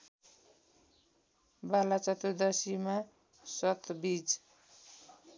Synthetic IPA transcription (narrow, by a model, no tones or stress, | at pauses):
balat͡sʌt̪ud̪ʌsima | sʌt̪ʰbid͡z